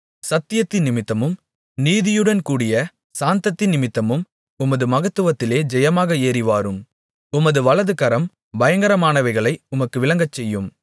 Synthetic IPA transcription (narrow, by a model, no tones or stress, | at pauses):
sɐt̪ːɪjɐt̪ːɪnnɪmɪt̪ːɐmɯm | niːðɪjɯɽɐnkuːɽɪjɐ | saːnt̪ɐt̪ːɪnːɪmɪt̪ːɐmɯm | ʊmɐðɯmɐɣɐt̪ːɯʋɐt̪ːɪleːd͡ʒɛjɐmaːɣɐeːɾɪʋaːɾɯm | ʊmɐðɯʋɐɭɐðɯkɐɾɐm | bɐjɐŋɡɐɾɐmaːnɐʋɐɪɣɐɭɐɪʊmɐkːɯʋɪlɐŋɡɐt͡ʃːɛjːɯm